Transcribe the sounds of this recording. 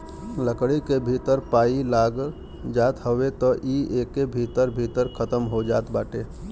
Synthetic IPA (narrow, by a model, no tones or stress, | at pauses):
ləkɽikebʱit̪əɾpaːilaɡ | d͡ʒat̪ɦəwet̪ɔʔiekːebʱit̪əɾbʱit̪əɾkʰət̪əmɦod͡ʒaːt̪baːʈe